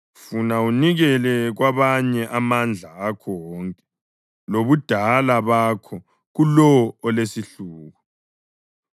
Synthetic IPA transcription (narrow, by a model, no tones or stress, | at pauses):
funauniɣɛlɛɣwaβaɲɛʔamand͡ɮʱaːkʰɔwɔŋkʼɛ̥ | loβud̥ʱalaβakʰɔ | ɣulɔːlesiɬuːɣu